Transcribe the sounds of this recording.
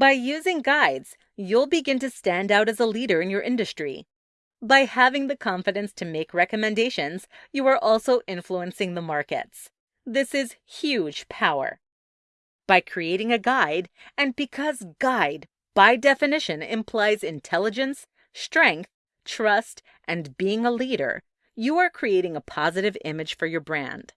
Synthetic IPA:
b̥aɪjʉzɪ̃ŋɡaɪdz̥ | julˠbɨɡɪ̃ntɨstæ̃ndaʊɾɨzəliɾə˞ɨ̃njə˞ʔɪ̃ndɨstɹ̥ḭ | baɪhævɪ̃ŋðɨkʰɑ̃ɱfɨɾɨ̃nstʰɨmeɪkɹɛkɨmɨ̃ndeɪʃɨ̃nz̥jɨə˞ʔɔlˠsoʊʔɪ̃ɱfluə̃nsɪ̃ŋðəmɑɹkɨ̰ts | ðɪsɪz̥hjʉd̥ʒ̥pʰaʊə̰˞ | b̥aɪkʰɹ̥ieɪɾɪ̃ŋɨɡaɪɾɨ̃nbɨkʰʌzɡaɪd̚ | b̥aɪdɛfɨnɪʃɨ̃nɪ̰̃mpʰl̥aɪzɨ̃ntʰɛlˠəd͡ʒɨ̃nsː | tɹ̥ɛ̃ŋk̚θ | tʰɹ̥ʌst | ʔɨ̃nbiɪ̃ŋəliɾə̰˞ | jɨə˞kʰɹ̥ieɪɾɪ̃ŋəpʰɑzɨɾɨvɪ̰̃mɨd̥ʒ̥fə˞jə˞bɹæ̰̃nd̥

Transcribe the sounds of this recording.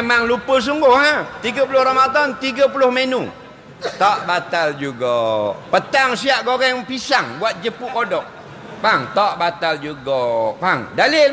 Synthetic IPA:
memaŋlupəs̬uŋɡʊhat̪iɡəpulʊhramad̪ɔnt̪iɡəpulʊhmenṵ | t̪aʔbat̪ald͡ʒuɡɔpət̪aŋsiaʔɡoɣɛŋpisaŋbuat̪̚d͡ʒəpuʔodɔʔ | paŋt̪aʔbat̪ald͡ʒuɡɔpaŋdalɪl

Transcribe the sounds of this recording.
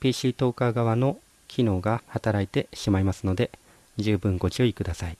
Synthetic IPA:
pʲiːɕiːt̪o̞ːkaɡaβano̞ | kʲʰino̞ːɡahat̪aɾait̪e̞ɕimaimasɨno̞d̪e̞ | d͡ʑɨːbɯ̟̃ŋɡo̞t͡ɕio̞ikɯ̟d̪asai

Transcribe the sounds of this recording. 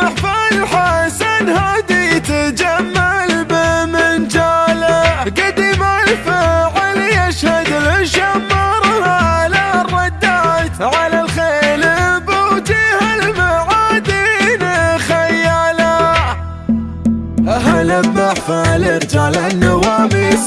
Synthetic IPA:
aħfalħasanhad̪it̪ad͡ʒamːalmɪmɪnd͡ʒalaɡad̪ːimalfaʕljaʃhad̪ɪlʃamːɑɾˤʕalarˤːɑd̪ːat̪ʕalalxeːlbʊwd͡ʒihalmaʕad̪inaxajːaːla | ɦalamːafalɪɾd͡ʒalanːawaːmi

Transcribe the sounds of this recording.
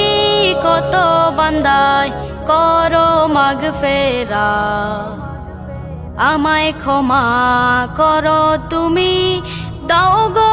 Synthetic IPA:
ikɔt̪ɔband̪aj | kɔɾɔmaɡpʰeɾa | amajkʰɔmakɔɾɔt̪umi | d̪aɡɔ

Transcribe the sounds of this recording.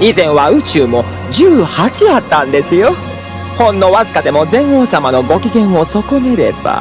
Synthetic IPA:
izẽ̞ɰ̃βaɯ̟t͡ɕɨːmo̞ | ʑɨːhat͡ɕiat̪ːãnd̪e̞sɨjo̞ | hõ̞nːo̞βazɨkad̪e̞mo̞zẽ̞ɰ̃oːsamano̞ɡo̞kʲiɡẽ̞ɰ̃o̞so̞kone̞ɾe̞̰ba̰

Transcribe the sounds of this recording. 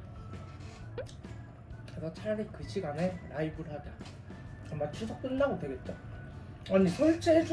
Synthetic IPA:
asʰʌt͡ɕʰaɾaɾikɯɕʰiɡaneɾaibɯɾɦada | amat͡ɕʰusʰʌk̚k͈ɯnːaɡotwe̞ɡet̚t͈a | ʌɲisʰʌɭt͡ɕ͈eɦesʰu

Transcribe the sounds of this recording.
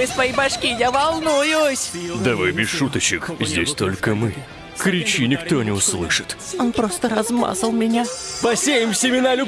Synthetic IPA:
st̪vɐibɐʂkʲijavɐlˠnujʊsʲd̪əvɨbʲɪʂut̪ət͡ɕɪkzʲdʲesʲt̪o̞lʲkəmɨ | kɾʲɪt͡ɕinʲɪkt̪o̞nʲɪʊslˠɨʂɨt̪o̞npɾo̞st̪əɾɐzma̰zəlˠmʲɪnʲabɐsʲejɪmsʲɪmʲɪnaɾʲʊ

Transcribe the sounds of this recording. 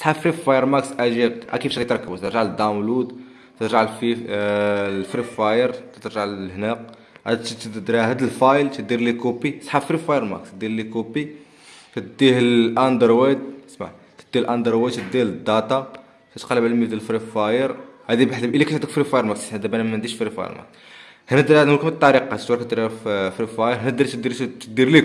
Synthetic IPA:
sˤħabfɾifɑjəɾˤmæksʔæʒiʕakifʃæt̪it̪ɾˤkːəbut̪əɾʒaʕləd̪ɑmlud̪ | t̪əɾʒaʕlfi | lfɾifɑjəɾt̪ət̪əɾʒaʕhnæq̚ | ʕat̪t̪d̪ɾiɦæd̪əlfɑjlt̪əd̪iɾlikupːisˤħabfɾifajəɾˤmæ̰kst̪əd̪ːiɾlikupi | kæt̪d̪ːihlʔænd̪əɾwed̪̚sma̰ʕ | t̪əd̪ːihlʔænd̪əɾwed̪̚t̪d̪ihləd̪ːɑt̪ɑ | kæt̪qɑlːəbʕlmid̪əlfɾifɑjəɾhæd̪ibaħsəbʔəlːækæt̪d̪əkfɾifɑjəɾmæksæd̪æbænæmʕnd̪iʃfɾifɑ̰jə̰ɾmɑ̰ks | hnæd̪ɾiæd̪mulkæmt̪ˤːɑɾiqɑt̪ʃwɾkæt̪ɾifɾifɑjəɾɦnæd̪ɾit̪d̪iɾt̪əd̪iɾlik

